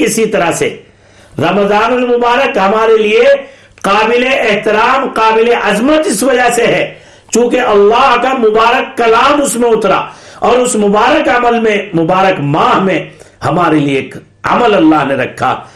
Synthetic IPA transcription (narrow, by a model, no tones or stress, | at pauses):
ɪsit̪ɐɾasḛ | ɾɐməzaːnʊlmʊbaːɾəkɦɐmaːɾelie | qaːbɪleɛɦt̪ɪɾaːmqaːbɪleʔɐzmət̪ɪsʋɐd͡ʒaseɦɛː | t͡ʃũːkeʔɐlːaːɦkamʊbaːɾəkːɐlaːmʊsmẽʊt̪ɾa̰ːɔːɾʊsmʊbaːɾəkɐməlmẽmʊbaːɾəkmaːɦmẽhɐmaːɾelieːk | ɐ̰məlɐlːaːɦneɾɐkʰːa̰ː